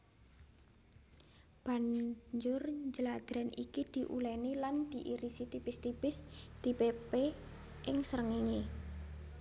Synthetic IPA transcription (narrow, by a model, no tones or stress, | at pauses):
b̥a̤ɲd͡ʒʊrɲd͡ʒəlad̪̥ɾanʔḭkid̪̥i̤ʔṵlɛniland̪̥iʔiɾisit̪ib̥ɪst̪ib̥ɪsd̪̥i̤pepe | ʔɪŋsəɾəŋiŋe